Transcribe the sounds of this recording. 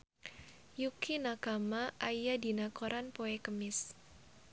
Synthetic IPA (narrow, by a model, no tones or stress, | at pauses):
jukʰinakamaʔajadi̤nakoɾanpoekəmɪs